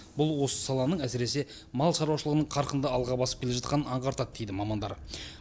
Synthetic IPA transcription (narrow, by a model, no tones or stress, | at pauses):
bʊlˠwo̞sə̥sɑlˠɑnəɴæsɪɾe̞se̞ | mɑlˠʃɑɾɑwʃəlˠəʁənəɴqʰɑɾqənd̪əɑlˠʁɑbɑsəp̚kʲele̞ʒɑt̪qɑnənɑɴqɑɾt̪ɑd̪̚d̪e̞jd̪ɪmɑmɑnd̪ɑ̰ɾ